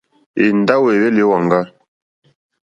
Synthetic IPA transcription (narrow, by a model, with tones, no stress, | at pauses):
e˨n˦da˦we˨be˦li˦wa˨ŋ˨ɡa˦